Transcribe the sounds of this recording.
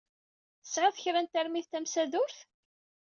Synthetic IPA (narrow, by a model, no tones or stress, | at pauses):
θə̥sːʁaθəçɾænt̪æɾmiθt̪æmsæðʊɾθ